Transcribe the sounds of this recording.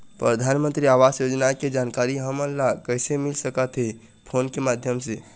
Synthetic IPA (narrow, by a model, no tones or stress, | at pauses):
pɾəd̪ʱanmə̃nt̪ɾiaʋasjod͡ʒnaked͡ʒankaɾiɦəməlːakəɪsemilsəkət̪ɦe | pʰoːnkemad̪ʱjəmse